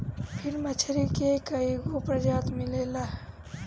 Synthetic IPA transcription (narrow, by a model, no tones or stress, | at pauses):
pʰiɾmət͡ʃʰəɾikekəiɡopɾəd͡ʒat̪milelaɦ